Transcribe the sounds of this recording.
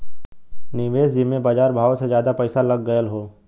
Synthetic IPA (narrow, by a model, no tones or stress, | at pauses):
nɪʋeːsd͡ʒɪmẽbaːd͡ʒaːɾbʱaːosezjaːd̪apɛɪsalɐɡːəjəlɦoː